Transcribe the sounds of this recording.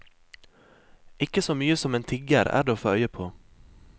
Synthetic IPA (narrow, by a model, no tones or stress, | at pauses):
ɪkəsoːmyːəsɔmeːnt̪ʰɪɡəɾæ̰ːɖeːoːfoːœʏəpʰoː